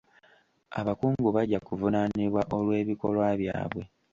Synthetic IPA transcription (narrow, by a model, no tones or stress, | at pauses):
a̰βakuːŋɡuβaɟakuvunaniβwaʔo̞lwe̞ːβiko̞lwaːβja̰ːβwe̞